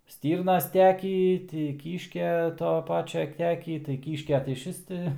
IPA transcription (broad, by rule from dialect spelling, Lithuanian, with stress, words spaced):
ˈsʲtʲiːrnɐs ˈtʲæːkʲiː ˈtʲɪ ˈkʲiːʃʲkʲɛ ˈtoː ˈpɑːt͡ʃʲɛ ˈtʲæːkʲiː tɐɪ ˈkʲiːʃʲkʲɛ tɐɪ ɪʃʲˈʋʲɪs tʲɪ